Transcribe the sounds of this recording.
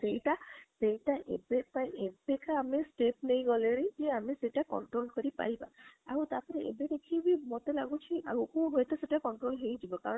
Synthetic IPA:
sejtasejtaʔḛbepajʔebekaːmɛstep̚nejɡɔleɹid͡ʒɛamisejtakɔ̰nʈɹolkoɹipa̰iba̰a̰ɹutapɔtɛḛbedekʰibimɔtɛlaɡut͡ʃʰiʔa̰ɹukuɦojtɛsetakɔnʈɹolɦeizibɔkaɹɔ

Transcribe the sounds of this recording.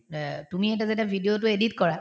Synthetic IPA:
tumiɛt̬azetjabʱidiot̬ʊeditkɔɹa

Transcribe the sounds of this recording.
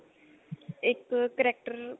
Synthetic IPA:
ɪkkɐɾek̚ʈəɾ

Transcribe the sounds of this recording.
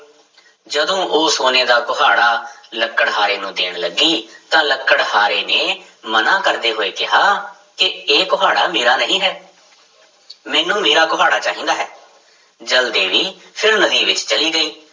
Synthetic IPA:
d͡ʒəd̪õːʔoːsoːneːd̪aːkʊɦaːɽaːləkːəɽɦaːɾeːnũːd̪eːɳ̃ləɡːiːt̪ãːləkːəɽɦaːɾeːneː | mənaːkəɾd̪eːɦoːeːkɪɦaː | kɪeːkʊɦaːɽaːmeːɾaːnəɦĩːɦɛː | mɛːnũːmeːɾaːkʊɦaːɽaːt͡ʃaːɦĩːnd̪aːɦɛː | d͡ʒəld̪eːʋiː | pʰɪɾnəd̪iːʋɪt͡ʃt͡ʃəliːɡəiː

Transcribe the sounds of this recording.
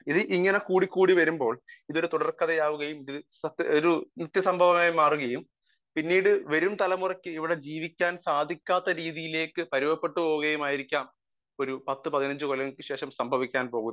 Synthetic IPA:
iðɨʔiŋːɐnekuːɽikːuːɽiʋɐɾumbo̞ːɭiðoɾut̪uɽɐrkɐðɐjaːʋuɣɐjumiðɨɐt̪ːoɾunit̪ːjɐsɐmbʱɐʋɐmaːjmaːruɣɐjum | pinːiːɽɨʋɐɾumt̪ɐlɐmurɐkʲːɨiʋiɽe̞d͡ʑiːʋikʲːaːnsaːd̪ʱikʲːaːt̪ːɐɾiːðijile̞ːkːɨpɐɾuʋɐpːe̞ʈːɨpo̞ːʋuɣɐjumaːjiɾikʲːaːm | o̞ɾupɐt̪ːɨpɐðinɐɲd͡ʑɨkolɐɣkːɨɕe̞ːʂɐmsɐmbʱɐʋikʲːaːnpo̞ːɣu

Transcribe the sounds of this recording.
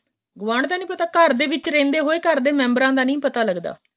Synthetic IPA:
ɡʊʋãːɽt̪aːnĩːpət̪aːkəɾd̪eːʋɪt͡ʃɾẽːnd̪eːɦoːeːkəɾd̪eːmɛ̃ːmbəɾãːd̪aːnĩːpət̪aːləɡd̪a̰ː

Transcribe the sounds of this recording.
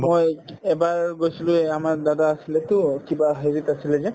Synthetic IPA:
mojɛbaɹɡojsilʊ̃ɛamaɹd̪adaːsilɛt̪ʊkibaɦeɹitasilɛzɛ

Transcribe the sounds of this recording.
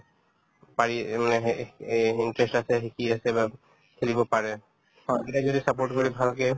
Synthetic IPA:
paɾimane | iɳʈɾesʈat͡ɕʰeɦikiat͡ɕʰeba | kʰelibopaɾe | ɔeʈad͡ʑod̪ʱisapoɾʈkoɾibʱalke

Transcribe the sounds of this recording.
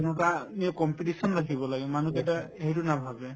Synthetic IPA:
nɔtaniakɔmpiʈisɔnɹakʰibɔlaɡɛmanukɛtaeɦitunabʱabɛ

